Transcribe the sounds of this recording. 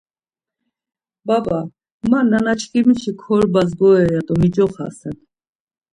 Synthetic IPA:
baba | mananat͡ʃʰkʼimiʃikʰɔɾbazɡɔɛjad̪ʼɔmid͡ʒɔχa̰sɛn

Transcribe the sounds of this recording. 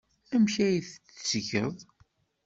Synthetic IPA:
æmçæjiθt͡ssçəðˤ

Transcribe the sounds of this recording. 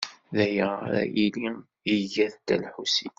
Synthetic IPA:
ðæjəɾæ̰ʔili | iʝæðt̪ælħusi

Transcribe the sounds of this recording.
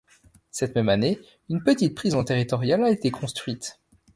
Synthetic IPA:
sɛt̪mɛmane | ynpət̪it̪̚pχizɑ̃t̪eʁit̪ɔʁjalaet̪ekʰɔ̃st̪χɥit̪

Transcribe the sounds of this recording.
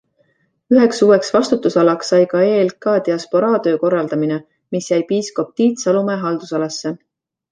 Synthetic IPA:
yɦe̞ksuːwe̞ksvɑst̪ut̪ːusɑlɑksːɑjkɑelkɑːd̪̥iɑspoɾɑːd̪̥ø̞ːko̞rːɑld̪̥ɑmine | misjæjpiːsko̞p̚t̪iːt̪sɑlumeɦɑld̪usɑlɑsːe̞

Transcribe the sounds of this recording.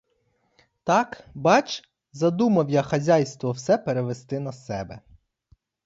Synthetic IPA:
t̪ɑkbɑt͡ʃ | zɐd̪umɐwjɐxɐzʲajst̪ʋɔwsɛpeɾeʋest̪ɪnɐsɛbɛ

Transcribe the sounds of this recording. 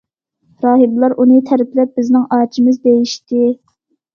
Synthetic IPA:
ɾɑːɦɨblˠɑɾʔunɨt̪ʰɛɾɪplɛp̚b̥ɪznɪŋɑːt͡ʃʰimɨzd̪ejiʃt̪ɪ

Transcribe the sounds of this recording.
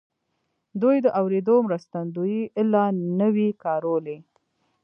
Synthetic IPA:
d̪ujd̪əʔawɾed̪omɾast̪and̪ujiʔɪlɑnəwikɑɾole

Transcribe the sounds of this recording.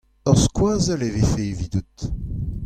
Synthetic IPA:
œʁskwaːzalevefevid̪ut̪

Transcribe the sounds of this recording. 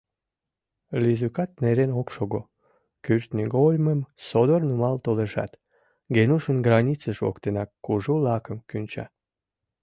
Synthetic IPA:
lʲizykɑt̪̚neɾenokʃoɣo | kyrt̪niɡolʲməmsod̪ornumɑlt̪oleʃɑ̰t̪ | ɡenuʃənɡrɑnʲit͡səʃvo̰kt̪enɑkːuʒulɑkəmkynʲt͡ɕɑ̰

